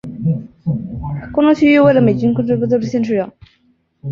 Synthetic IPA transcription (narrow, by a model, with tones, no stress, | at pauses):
kʊ˥ŋʈ͡ʂʊ˥t͡ɕʰy˥y˥˧we˥˩ɪlə˩me˨˩ɪt͡ɕy˥nkʊ˥˧ʈ͡ʂʰɤ˥pu˥˧t͡sɤ˥˧˩ʈ͡ʂ̩˥˩ɕjɛ˥˧nʈ͡ʂʰɻ̩˥˩ɥɑ˨˩˦